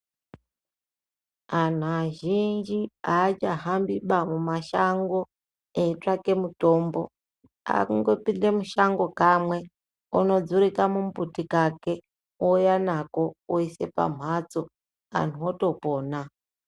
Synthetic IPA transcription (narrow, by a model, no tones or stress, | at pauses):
an̤uaʒind͡ʒiaːt͡ʃaɦambiɓamumaʃaŋɡo̞ | eitrake̞muto̞mbo̞̰ | a̰kuŋɡo̞pinde̞muʃaŋɡo̞kamwe̞ | ṵno̞d͡zuɾikamumputikake̞ | ojanako̞oise̞̰pa̰m̤ʱwat͡so | a̰n̤uoto̞po̞ːna